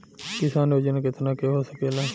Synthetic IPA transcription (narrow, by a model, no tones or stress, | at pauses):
kɪsaːnod͡ʒnːkɪt̪ʰnaːkeɦoːsəkeːlaː